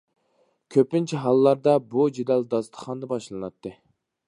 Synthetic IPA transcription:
kʲʰøpɪnt͡ʃʰɛɦɑlˠːɑɾd̪ɑbud͡ʒed̪ɛld̪ɑst̪ʰə̥χɑnd̪ɑbɑʃlˠɨnɑt̪ːɨ

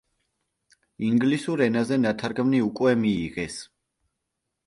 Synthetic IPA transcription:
iŋɡlisuɾɛnazɛnat̪ʰaɾɡmniukʼwɛmiːʁɛs

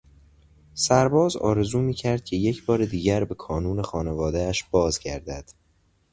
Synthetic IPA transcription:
sæɾbɒːzɒ̰ːɾe̞zuːmiːcʰæɾd̪̥̚cʰe̞jecʰbɒːɾed̪iːɟæɾbe̞kʰɒːnuːne̞xɒːne̞vɒːd̪eæʃb̥ɒːzɟæɾd̪æd̪̥

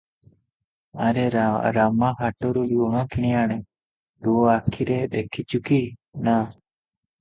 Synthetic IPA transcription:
aɾɛɾaɾamakaʈɔɾujuɦãkiɽ̃iaɽ̃ɛ | ɗ̪uoakʰiɾɛɗ̪ɛkʰit͡ʃukina

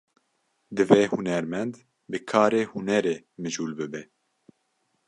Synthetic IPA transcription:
d̪ɨveːhunɛɾmɛnd̪ | bɨkʰaːɾeːhunɛɾeː | mɨʒuːlbɨbɛ

